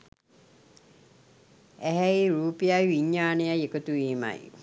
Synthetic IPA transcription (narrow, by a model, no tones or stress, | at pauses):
ɛɦɛiɾuːpiaʋiɲːaːnejajekot̪uiːma̰j